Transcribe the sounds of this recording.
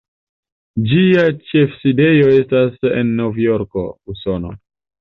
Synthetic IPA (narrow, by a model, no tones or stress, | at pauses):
d͡ʒiat͡ʃe̞fside̞jo̞e̞stase̞̰nːo̞vjo̞ɾko̞̰uso̞no̞̰